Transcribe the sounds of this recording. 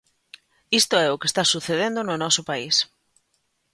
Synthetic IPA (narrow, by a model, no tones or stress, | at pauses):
ist̪oɛʊkest̪asuθeð̞end̪onʊnɔsopais